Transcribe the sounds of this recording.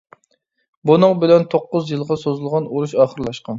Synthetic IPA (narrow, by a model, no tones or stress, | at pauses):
bunɨŋbɪlɛnt̪ʰoqːʊzjɨlˠʁɑsozɨlˠʁɑnoɾuʃɑːχəɾlˠɑʃqɑn